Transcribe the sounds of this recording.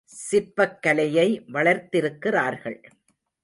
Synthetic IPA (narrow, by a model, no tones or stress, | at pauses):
sɪɾpɐkːɐlɐjɐɪʋɐɭɐɾt̪ɪɾɯkːɪraːɾɣɐɭ